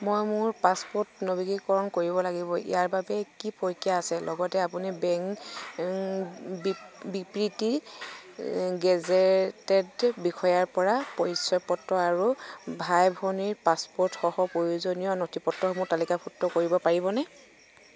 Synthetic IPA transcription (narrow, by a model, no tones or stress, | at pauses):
mojmʊɹpaspɔtnɔbiɡikɔɹɔnkoɹibɔlaɡibɔḭjaɹbabɛkipɔjkijaːsɛlʔɔɡɔtɛapunibɛŋ | bibipɹiti | ɡɛzɛtɛdbixʰɔjaɹpɔɹapɔjsɔpɔtːɔaɹubʱajbʱɔniɹpaspɔɹtxɔhɔpɹojuzonijɔnotʰipɔtːɔɦmʊɹtalikapʰutːɔkoɹibɔpaɹibɔnɛ